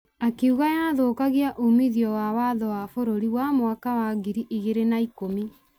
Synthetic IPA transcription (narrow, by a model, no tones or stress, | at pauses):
akeuɣaanaðoːkaɣiaʔumiðiɔwawaðɔwafoɾoɾiwamwakawaɣiɾiʔiɣeɾenaikomi